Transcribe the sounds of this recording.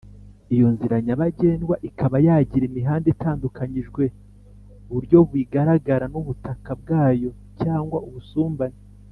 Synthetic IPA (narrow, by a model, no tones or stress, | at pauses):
ijo̞nziɾaɲaβaɟe̞ːnɡwaʔikaβajaːɟiɾemiɦaːndetaːndukaɲiʒɡwe̞ | βuɾɟo̞βwiɡaɾaɡaɾanuβutakab̚ɡaːjo̞ | caːŋɡwauβusuːmbane